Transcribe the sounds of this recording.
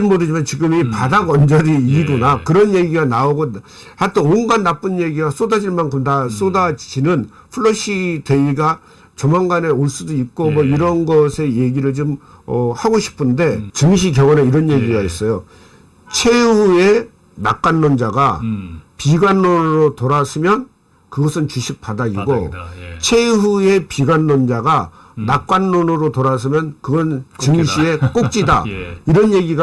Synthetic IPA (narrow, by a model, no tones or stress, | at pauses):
ɯnmodɯd͡ʑimant͡ɕiɡɯmipadaɡʌnd͡ʑʌɾiiɡonakɯɾʌnje̞ɡiɡanaoɡo | hatʰeonɡanːap͈ɯnje̞ɡiɡas͈odad͡ʑiɭmankʰɯmtas͈odad͡ʑinɯn | pʰuɭːoɕ͈ʰite̞iɡa | t͡ɕʌmaŋɡane̞oɭs͈udoik̚k͈omʌiɾʌnɡʌsʰe̞je̞ɡiɾɯɭt͡ɕom | ʌhaɡoɕʰi̥pʰɯnde̞t͡ɕɯŋɕ̬ʰik̬jʌŋʌneiɾʌnje̞ɡiɡais͈ʌjo | t͡ɕʰe̞hue̞ | nak͈anːond͡ʑaɡapiɡanːonɯɾotoɾasʰɯmjʌn | kɯɡʌsʰɯnt͡ɕuɕʰik̚p͈adaɡiɡot͡ɕʰe̞ɦue̞piɡanːond͡ʑaɡa | nak͈anːonɯɾotoɾas̬ʰɯmjʌnkɯɡʌnt͡ɕɯŋɕʰie̞k͈ok̚t͡ɕ͈ida̰iɾʌnje̞ɡiɡa